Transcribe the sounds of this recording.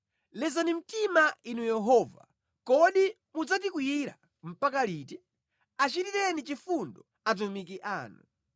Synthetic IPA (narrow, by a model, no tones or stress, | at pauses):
lɛzanim̩timainujɛɦɔːva̰ | kɔɗi | mud͡zat̬ik̬wijiɾa̰ | m̩pakaliːtɛ | at͡ʃitiɾɛnit͡ʃifundɔ | at̬umik̬iʔaːnu